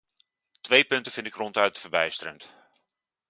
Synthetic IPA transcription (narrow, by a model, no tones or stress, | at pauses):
tʋejpʏntəfɪntɪkrɔntœɥt̚əfərbɛjstəɾənt